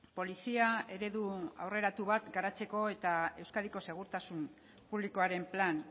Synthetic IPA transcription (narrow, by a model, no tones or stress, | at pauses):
po̞lisiae̞ɾe̞ðua̰wre̞ɾat̪uβ̞at̪ɡaɾat͡se̞ko̞e̞t̪ae̞wskaðiko̞se̞ɣ̞uɾt̪asum | puβliko̞aɾe̞mplan